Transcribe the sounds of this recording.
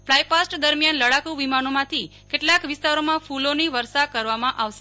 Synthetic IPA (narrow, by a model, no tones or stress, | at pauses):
flajpasʈd̪əɾmijanləɽakuʋimanomãt̪ʰi | keʈlakʋɪst̪aɾomãfuloniʋəɾsakəɾʋamãʔaʋʃe